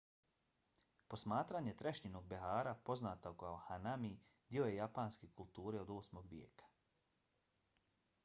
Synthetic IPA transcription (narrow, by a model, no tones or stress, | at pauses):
po̞smaːt̪ɾaɲe̞t̪ɾeʃɲino̞ɡ̚beɦaːɾapo̞znaːt̪okaohanamid̪jiojejapaːnskekulˠt̪uːɾeo̞d̪o̞ːsmoɡʋjḛːkḁ